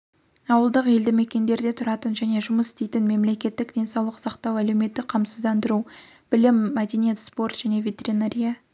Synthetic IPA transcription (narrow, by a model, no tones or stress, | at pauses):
ɑwəlˠd̪əqe̞ld̪ɪme̞kʲe̞nd̪e̞ɾd̪e̞t̪ʰʊɾɑt̪ənʒæne̞ʒʊməsɪ̥st̪e̞jt̪ɪnme̞mle̞kʲe̞t̪ːɪkd̪e̞jnsɑwlˠəqsɑqt̪ɑwæle̞wme̞t̪ːɪk̚qʰɑmsəzd̪ɑnd̪əɾu | b̥ɪlɪmːæd̪enije̞t̪spo̞rt̪ʒ̥æne̞vʲe̞t̪e̞ɾinaɾʲija